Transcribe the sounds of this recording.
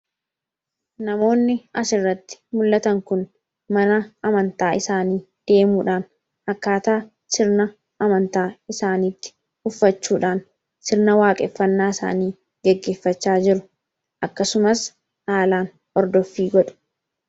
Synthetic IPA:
nɐmo̞ːnːɪʔɐsɪrːɐt̪ːɪ̥mʊlːɐt̪ɐŋkʊn | mɐnɐɐmɐnt̪aːɪsaːniː | d̪̥e̞ːmuːᶑaːn | ɐkːaːt̪aː | sɪɾnɐ | ɐmɐnt̪aːɪsaːniːt̪ːɪ̥ | ʊfːɐt͡ʃːuːᶑaːn | sɪɾnɐwaːkʼɛfːɐnːaːɪsa̰ːniː | ɡ̥ɛɡːe̞ːfːɐt͡ʃːaːd͡ʒɪɾʊ̥ | ʔɐkːɐsʊmɐs | ʔaːlaːn | ʔɔɾd̪ɔfːiːɡɔᶑʊ̥

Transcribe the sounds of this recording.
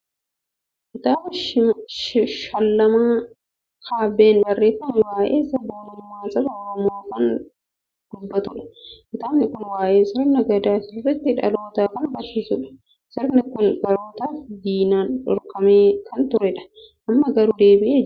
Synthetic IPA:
ʔɪt̪aːbʃʃʃɐlːɐmaː | kʰaːbeːnbɐrːeːtɐnɪwaːjeːsɐboːnɪmaːnsʼɐbɐɔɾɔmoːkɐn | d̪̥ʊbːɐt̪ʊᶑɐ̥kɪt̪aːbnɪkʊnwaːʔeːsɐɾɐnɐɡɐd̪aːsɪrːɛt̪ːɪᶑɐ̰loːt̪aːkɐnbɐɾsɪsʊᶑɐ̥ | sɐɾnɪkʊnɡɐɾoːt̪aːfd̪iːnaːnᶑɔ̰ɾkɐmeːkʰɐnt̪ʊɾɛᶑɐ̥ | ʔɐmːɐɡɐɾud̪e̞ːbɪʔeː

